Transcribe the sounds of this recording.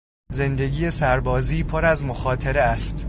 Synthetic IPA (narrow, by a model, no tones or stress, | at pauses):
ze̞nd̪e̞ɟiːjesæɾbɒːziːpʰoɾæzmoxɒːt̪ʰeɾeæst̪